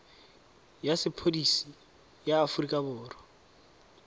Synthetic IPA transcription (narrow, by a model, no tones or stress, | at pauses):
jasɪpʰodisi | jaːfurikʼabʊːrɔ